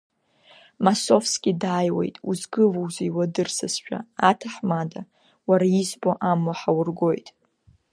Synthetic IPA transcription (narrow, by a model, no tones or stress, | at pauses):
maso̞fskʲʼidaːjwe̞̰jtʼuzɡɨvowziiwadɨrsɨsʃᶣa̰atʰaħmada | waɾaizboʔamwaħawʊrɡo̞jtʼ